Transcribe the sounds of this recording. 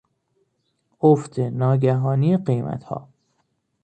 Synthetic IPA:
oft̪ʰenɒːɟæɦɒːniːjeɢejmæ̰t̪ʰhɒ̰ː

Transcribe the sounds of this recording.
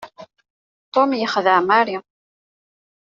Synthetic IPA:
t̪ˤomjəχðəʕmaɾi

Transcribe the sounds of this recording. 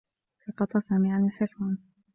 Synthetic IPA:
sɑqɑt̪ˤɑsaːmɪʕanɪlħɪswɑn

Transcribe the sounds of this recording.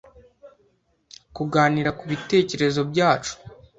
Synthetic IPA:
kuɡaːniɾakuβite̞ːce̞ɾe̞zo̞bɟaːt͡ʃu̥

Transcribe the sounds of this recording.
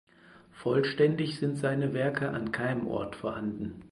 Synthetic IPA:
fɔlʃtɛndɪçz̥ɪntz̥aɪnəvɛɐkʰəʔa̰nkʰaɪnəmʔɔ̰ɐtfɔɐhandn̩

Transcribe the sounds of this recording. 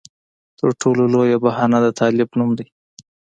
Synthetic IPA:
t̪əɾʈʰololojabahɑnad̪ət̪ʰɑlɪbnumd̪aj

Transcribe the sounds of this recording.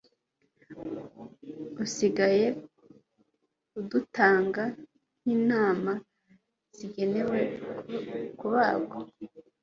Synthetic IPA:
usiɡaje̞ | udutaːŋɡa | n̥iːnaːma | z̥iɟe̞ne̞we̞ | kuβaːɡo

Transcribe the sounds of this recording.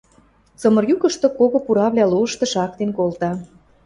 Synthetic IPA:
t͡sɤ̆mɤ̆rjukə̆ʃt̪ŏkoɣopuɾɑβlʲæluə̆ʃt̪ɤ̆ʃɑk̚t̪enkolt̪ɑ

